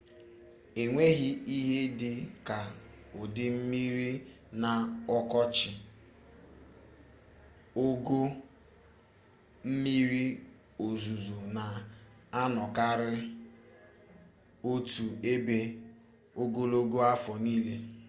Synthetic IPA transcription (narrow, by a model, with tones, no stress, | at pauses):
e˨ŋʷe˦ɣi˦i˦ɦe˦dɪ˦ka˨ | ʊ˨dɪ˦m̩˦mi˦ɾi˦ | na˨ɔ˦kɔ˦t͡ʃɪ˨ | o˦ɡo˦ | m̩˦mi˦ɾi˦ | o˨zu˨zo˨na˨ | a˦nɔ˨ka˦ɾɪ˦ | o˦tu˨e˦be˦ | o˦ɡo˦lo˦ɡo˦a˦fɔ˨niː˦le˦